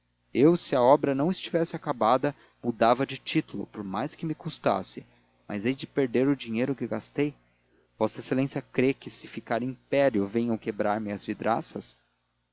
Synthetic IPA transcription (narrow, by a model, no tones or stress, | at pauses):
ewsɪɐɔbɾɐnɐ̃w̃ɪst͡ʃivɛsɪakabad̪ɐ | mud̪avɐd͡ʒɪt͡ʃit̪ulʊ̰poɾmajskɪmɪkust̪a̰sɪ | mʔa̰zejd͡ʒɪpeɾd̪eɾʊd͡ʒiɲejɾʊkɪɡast̪ej | vɔsɐeselẽsiɐkɾekɪsɪfikaɾĩpɛɾjʊvẽj̃ɐ̃wkebɾaɾmɪɐzvid̪ɾa̰sɐs